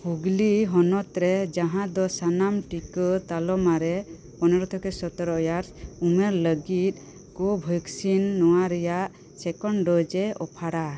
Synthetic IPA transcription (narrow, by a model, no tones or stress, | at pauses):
huɡliɦɔnɔt̪ɾɛd͡ʒaɦãd̪ɔsanamʈikɔt̪alɔmaɾɛ | pɔnɛɾɔt̪ʰɔkɛsɔt̪ɔɾɔɔjaɾsumeɾləɡit̪̚ˀ | kɔbʱɔksinːɔwaɾɛjaʔ | sɛkɔɳɖɔd͡ʒɛɔpʰaɽa